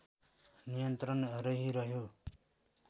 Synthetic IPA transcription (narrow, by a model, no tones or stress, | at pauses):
nijʌnt̪ɾʌnʌɾʌɦiɾʌɦjo